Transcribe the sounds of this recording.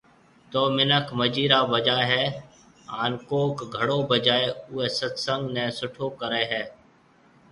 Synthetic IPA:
t̪oːmɪnəkʰməd͡ʒiːɾaːbəd͡ʒaːɦɛː | aːnkoːkɡʱəɽoːbəd͡ʒaːeʊːeːsət̪sə̃ŋɡnẽːsʊʈʰoːkəɾeːɦɛː

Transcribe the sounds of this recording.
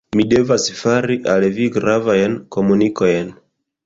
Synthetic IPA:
mide̞vasfaɾiʔalviɡɾavajnko̞muniko̞jn

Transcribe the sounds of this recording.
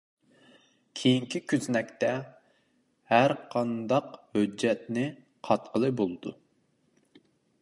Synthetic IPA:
kʲʰejiŋkʲʰikʲʰyznɛkʲt̪ɛ | hæɾqʰɑnd̪ɑqhød͡ʒːɛt̪̚nɪ | qʰɑt̪qʰəlˠɨbolˠɨd̪u

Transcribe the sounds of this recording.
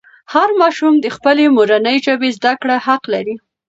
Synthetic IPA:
haɾmɑʃumd̪əxpəlemoɾanəjʒəbezd̪akɽahaqlaɾi

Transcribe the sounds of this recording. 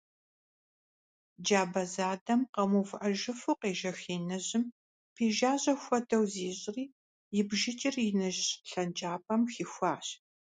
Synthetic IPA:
d͡ʒaːbɐzaːdɐmqɐmufʔɐʒɪfɨqeːʒɐxiːnɐʑɪm | pʰeːʒaːʑʼɐxʷɔdɐwziːɕʼɪriː | jɪbʒɪt͡ʃʼɪrɪnɐʒɬɐnd͡ʒʼaːpʼɐmxixʷaːɕ

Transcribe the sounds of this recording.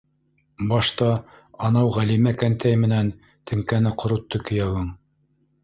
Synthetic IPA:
bɑʃt̪ɑ | ɑnɑwʁælimækænt̪ʰæjmɘ̆næn | t̪ʰɘ̆ŋkænɘqŏɾŭt̪ːɵkɵ̆jæwɤɴ

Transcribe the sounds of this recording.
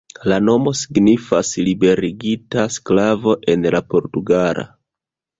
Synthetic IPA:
lano̞mo̞siɡnifaslibe̞ɾiɡitasklavo̞ʔe̞nlapo̞ɾtuɡaɾʔa̰

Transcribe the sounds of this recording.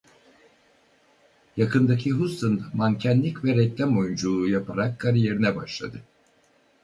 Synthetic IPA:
jakʰɯnd̪acʰiɦust̪ʰɯnd̪mancʰænlʲicvɛɾɛc̚lʲɛmo̞jund͡ʒulˠuːjapʰaɾakʰːaɾije̞ɾinɛbaʃlˠa̰d̪ɯ

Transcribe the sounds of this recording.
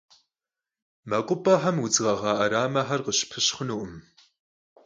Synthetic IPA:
mɐkʷʼʊpʼɐħɐmwʊd͡zʁɐʁɑːʔɐɾaːmɐħɐrqəɕpʰɨɕχənuːʔʊm

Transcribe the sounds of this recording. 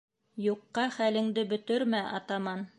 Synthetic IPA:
juqːɑχælɘ̆ŋd̪ɘbɵ̆t̪ɵɾmæʔɑ̰t̪ɑmɑn

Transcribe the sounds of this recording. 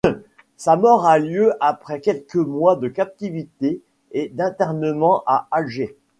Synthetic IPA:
samɔʁaljøʔapχɛkʲɛlkəmwad̪əkap̚t̪ivit̪eː | d̪ɛ̃t̪ɛʁnəmɑ̃ʔaalʒe

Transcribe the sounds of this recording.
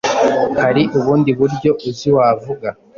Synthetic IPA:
haɾiʔuβuːndiβuɾɟo̞ʔuziwaːvuɡa

